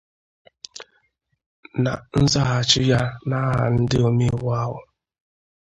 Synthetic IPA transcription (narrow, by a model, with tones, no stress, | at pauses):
na˨n̩˦za˦ɦa˨t͡ʃɪ˦ja˦na˦ɦa̰˨n̩˦dɪ˦o˨mi˦˨wa˦ɦʊ̰˨